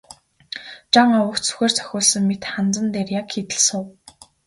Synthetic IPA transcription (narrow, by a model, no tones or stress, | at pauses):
t͡ɕaŋɔwə̆kt͡sʰɵ̥xʲeːrt͡sʰœ̥xʲʊːɮsə̆ŋmet̪χant͡sə̆nt̪erjakxit̪ɘ̆ɮsʊw